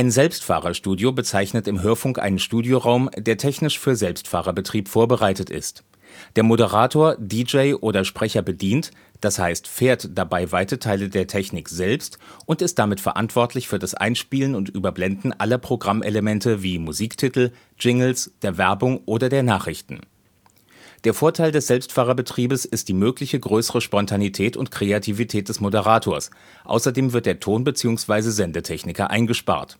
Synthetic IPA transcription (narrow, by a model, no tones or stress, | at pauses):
ʔaɪnzɛlpstfa̰ːʁɐʃtuːdjobət͡saɪçnətɪmɦøːɐfʊŋkʔa̰ɪnənʃtuːdjoʁaʊmdeːɐtʰɛçnɪʃfyːɐzɛlpstfa̰ːʁɐbətʁ̥iːpfoːɐbəʁaɪtətɪ̰st | d̥eːɐmodəʁaːtʰoːɐdid͡ʒeɪʔoːdɐʃpʁ̥ɛçɐbədiːnt | d̥ashaɪstfeːɐtd̥abaɪvaɪtətʰaɪlədeːɐtʰɛçnɪkz̥ɛlpstʔʊntɪst̚d̥amɪtfɛɐʔa̰ntv̥ɔɐtlɪçfyːɐdasʔa̰ɪnʃpiːlənʊntʔyːbɐblɛndn̩ʔa̰lɐpʁ̥oɡʁamʔeləmɛntəviːmuziːktʰɪtl̩ | d͡ʒɪŋl̩sd̥eːɐvɛɐbʊŋʔoːdɐdeːɐnaːχʁ̥ɪçtn̩ | d̥eːɐfoːɐtʰaɪldɛsz̥ɛlpstfaːʁɐbətʁ̥iːbəsɪst̚d̥iːmøːklɪçəɡʁøːsəʁəʃpɔntʰanitʰɛːtʰʊ̰ntkʁ̥eatʰivitʰɛːt̚d̥ɛsmodəʁ̞aːtʰoːɐs | ʔa̰ʊsɐdeːmvɪɐt̚d̥eːɐtʰoːnbət͡siːʊŋsv̥aɪzəzɛndətʰɛçnɪkɐʔa̰ɪnɡəʃpa̰ːɐt